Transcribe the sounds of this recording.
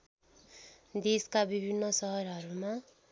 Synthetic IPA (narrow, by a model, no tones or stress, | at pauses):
d̪eskabibʱinːʌsʌɦʌɾɦʌɾuma